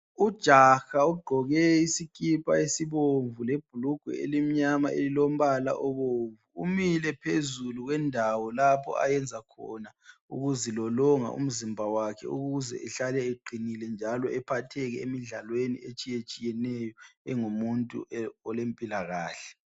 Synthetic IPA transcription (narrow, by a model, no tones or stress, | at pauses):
ud̥ʒ̥ʱaxauɡ͡ǃʱɔɣɛisikʼipʰʼaesiβoɱvuleb̥̚ʱuluɡ̥ʱwɛ̰ḛlim̩ɲamaʔelilom̩βala̰ʔɔβoɱvuumilɛpʰezuluɣwɛndʱawɔlapʰɔ̰a̰jɛnd͡zʱakʰɔ̰naṵɣuzilɔlɔŋa̰ʔṵm̩zimbʱawakʰɛ̰uɣuzɛ̰ʔɛɬalɛeɡ͡ǃʱinilɛnd͡ʒʱalɔʔɛpʰatʰɛɣɛemiɮalwenḭet͡ʃʼijet͡ʃʼijɛnɛjɔɛŋumuntʼṵɔlempʼilaɣaːɬɛ̥